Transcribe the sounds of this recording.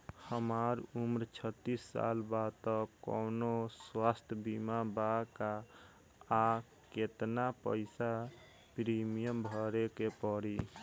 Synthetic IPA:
həmaɾumɾt͡ʃʰət̪ːisːa̰lbat̪ɔkɔ̰noswast̪ʰjəbimabakaː | ket̪napə̰ɪsa | pɾimijəmbʱəɾekepɔɾi

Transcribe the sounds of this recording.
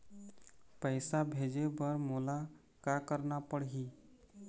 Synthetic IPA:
pəjsabʱed͡ʒebəɾmola | kakəɾnapəɽɦi

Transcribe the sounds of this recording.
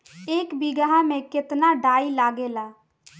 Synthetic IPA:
eːkbiɡaɦamẽkɪt̪naɖaːilaːɡelaː

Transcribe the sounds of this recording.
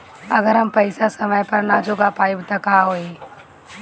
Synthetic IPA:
ɐɡəɾɦɐmpɐɪsasɐməjpɐɾnaːd͡ʒoːɡapaːibɪt̪ɐkaːɦoːeː

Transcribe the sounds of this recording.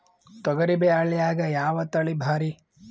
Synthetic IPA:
t̪ɔɡɐɾibeaːɭijaːɡɐjaːʋɐt̪ɐɭibʱaːɾi

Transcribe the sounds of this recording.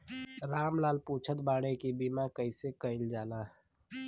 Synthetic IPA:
ɾaːmlaːlpuːt͡ʃʰət̪baːɽ̃ekibimakəɪsekəɪld͡ʒaːlaː

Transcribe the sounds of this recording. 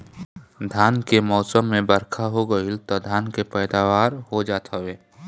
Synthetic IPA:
d̪ʱaːnkemɔːsəmːẽbəɾkʰaɦoɡəilt̪ad̪ʱaːnkepɛːd̪aːʋaːɾɦod͡ʒaːt̪ʰaʋeː

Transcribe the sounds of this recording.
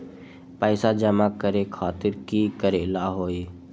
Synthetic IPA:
pəːsaːd͡ʒəmaːkəɾeːkʰaːt̪ɪɾkiːkəɾeːlaːɦoːeː

